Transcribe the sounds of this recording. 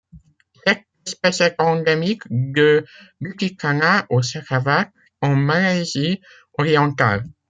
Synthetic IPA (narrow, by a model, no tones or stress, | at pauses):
t̪ɛk̚ | ɛspɛsɛkɑ̃d̪emikd̪əbyt̪ikanaʔosaʁavak | ɑ̃malezi | ɔʁiɑ̃t̪a̰l